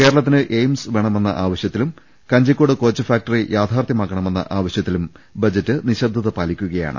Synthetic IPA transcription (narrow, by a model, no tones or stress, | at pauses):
ke̞ːɾɐɭɐt̪ːinɨʔejmsʋe̞ɳɐme̞nːɐ̰ʔaːʋɐɕjɐt̪ːilum | kɐɲd͡ʑɐkʲːoːɽɨko̞ːt͡ɕːɐfaːk̚ʈɐrijaːt̪ʰaːrt̪jɐmaːkːɐɳɐme̞nːɐ̰ʔaːʋɐɕjɐt̪ːilumbɐd͡ʑɐtːɨniɕɐrd̪ʱːɐðɐpaːlikʲːuɣɐja̰ːɳɨ̰